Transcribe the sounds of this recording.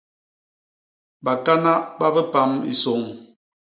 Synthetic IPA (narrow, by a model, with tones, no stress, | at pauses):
ba˨ka˦na˦ʔba˦bə˦pa˦mḭ˨so˨˦ŋ